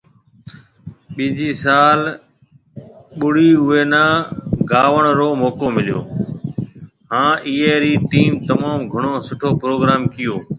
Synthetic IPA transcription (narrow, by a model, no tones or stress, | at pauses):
ɓiːd͡ʒiːsaːl | ɓʊɽ̤iːʊeːnãːɡaːʋəɳ̃ɾoːmoːkoːmɪljo̰ː | ɦãːʔiːeːɾiːʈiːmt̪əmaːmɡʱəɳoːsʊʈʰoːpɾoːɡɾaːmkɪjoː